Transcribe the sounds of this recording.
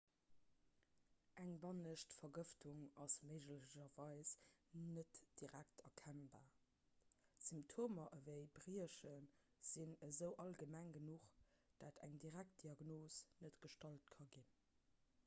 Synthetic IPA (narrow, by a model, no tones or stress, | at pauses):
ʔæŋbɑnəʃtfɐɡəftʰuŋɑsməɪʒləʑɐvɑɪsnətd̥iʁæk̚tʰɐkʰænbaː | z̥imptʰoːmɐʔəvəɪbʁiəʃən | z̥inəzəʊʔɑlɡəmæŋɡənuχd̥aːtʰæ̰ŋdiʁæk̚t̚d̥iɑɡnoːsnətɡ̥əʃtɑlt̚kʰɑɡin